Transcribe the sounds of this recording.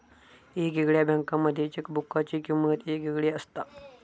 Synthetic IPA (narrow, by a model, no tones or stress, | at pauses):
eɡeɡɭjabʱãŋkaməd̪ʱːjet͡ɕekbukːat͡ɕikimət̪eɡeɡɭjeəst̪a